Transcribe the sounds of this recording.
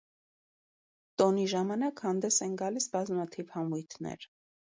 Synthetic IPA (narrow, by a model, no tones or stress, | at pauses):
t̪ɔniʒɑmɑnɑkhɑnd̪ɛsɛnɡɑlisbɑzmɑt̪ʰivhɑmujt̪ʰnɛ̰ɾ